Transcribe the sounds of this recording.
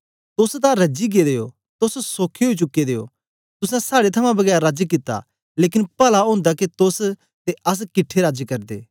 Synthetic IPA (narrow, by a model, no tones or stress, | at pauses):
t̪ʊst̪ãɾɐd͡ʒiɡed̪eːo̰ | t̪ʊssoːkʰeoit͡ʃʊkːed̪eːo̰ | t̪ʊsɛ̃saːɽet̪ʰɐmãbɐɡɛːɾɾad͡ʒkɪt̪ːa̰ | leːk̬ɪnpɐlaɦõːnd̪akit̪ʊs | t̪eʔɐs̬kɪʈʰːeɾaːd͡ʒkɐɾd̪ḛː